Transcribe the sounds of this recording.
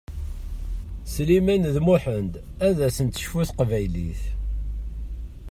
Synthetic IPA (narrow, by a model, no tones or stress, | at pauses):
slimænðmuħənd̪ | æðæsənt̪ə̥ʃfuθqvæjlḭθ